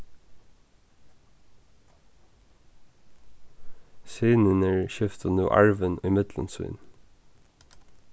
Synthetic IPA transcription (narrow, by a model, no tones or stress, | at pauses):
syːnənəɹʃɪft̪ənuːʔɑ̰ɹʋənʏmɪt̪lə̰nsʉ̰ːn